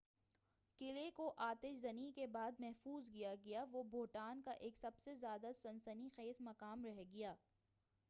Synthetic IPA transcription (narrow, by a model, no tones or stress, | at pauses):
kɪlekoʔaːt̪ɪʃzɐnikebaːd̪mɛɦfuːzkijaɡɐjaʋobʱoːʈaːnkaʔeːksɐbsezjaːd̪asɐ̃nsənixeːsmɐkaːmɾɛɦɡɐjaː